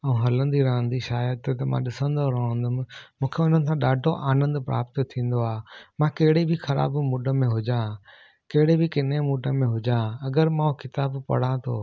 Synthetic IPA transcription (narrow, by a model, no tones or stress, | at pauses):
ɐ̃ũɦɐlə̃nd̪iɾɐɦə̃nd̪iʃaːjət̪t̪ɐmã̰ɗɪsə̃nd̪oɾɐə̃nd̪ʊmɪmũːkʰeʊn̤ənɪ̆sãɗaːɖʱoʔaːnə̃nd̪pɾa̰ːpt̪t̪ʰːĩːn̆d̪oaːmãkɐɦɪɽebʱɪxɐɾa̰ːbmuːɖʱəmẽɦʊd͡ʑã | kɐɦɪɽebʱɪkɪnemuːɖʱəmẽɦʊd͡ʑãɐɡəɾmãːũkɪt̪aːbpɐ̰ɽ̤ãt̪ʰo̰ː